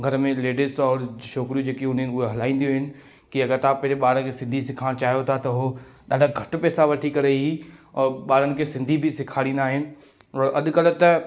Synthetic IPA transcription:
ɡʱɐɾmẽleːɖɪsɔːɾʃɔːkɾijũd͡ʑeːkiʊnəɪʊɦeɦɐlaːĩn̆d̪ijoɦɪnɪ̆ | kiɐɡəɾt̪ãpɛɦɾeɓaːɽəkʰeːsɪ̃nd̪ʱisɪkʰaːɽ̃t͡ɕaːɦijot̪ʰat̪ɐɦo | ɗaːɗaɡʱɐʈ̆pɛːsaʋɐʈʰikɐɾeɦiɔːɾɓaːɽənɪ̆kʰeːsɪ̃nd̪ʱibʱɪsɪkʰaːɽĩːnd̪aːɦɪnɪ̆ | ɔːɾʔɐɗʊ̆kɐlt̪ɐ

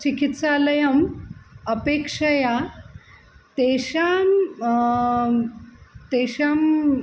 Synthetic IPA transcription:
t͡ɕikit̪salɐjɐmɐpekʂɐja | t̪eɕa | t̪eɕam

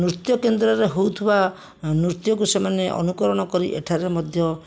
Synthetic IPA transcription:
nɾut̪jɔkend̪ɾɔɾeɦowt̪ʰiba | nɾuɾt̪jɔkusemaneʔɔ̰nukɔɾɔɽ̃ɔkɔɾiʔḛʈʰaɾemɔd̪ʱjɔ

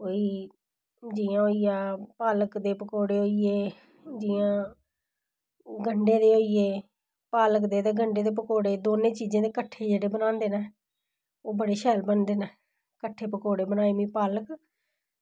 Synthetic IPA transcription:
oːiː | d͡ʒiːãːoːiːjaːpaːləkd̪eːpəkoːɽeːoːieː | d͡ʒiːãː | ɡʱəɳɖẽːd̪eːoːieː | paːləkd̪eːt̪eːɡʱəɳɖeːd̪eːp̬əkoːɽeːd̪oːnẽːt͡ʃiːd͡ʒãːd̪eːkəʈʰːeːd͡ʒeːɽeːbənãːnd̪eːnɛː | oːbəɽeːʃɛːlbənd̪eːnɛː | kəʈʰːeːpəkoːɽeːbənaːiːmĩːpaːlək

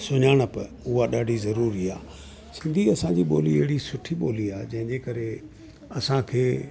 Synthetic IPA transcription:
sʊɲaːɽ̃ə̆pɐ | ʊɦaɗaːɖʱizɐɾuːɾiaː | sɪ̃nd̪ʱiɐsãd͡ʑiɓoːliɐɦɪɽisʊʈʰiɓoːliaːd͡ʑɐ̃ɦɪ̃ɲd͡ʑekɐɾe | ɐsãkʰeː

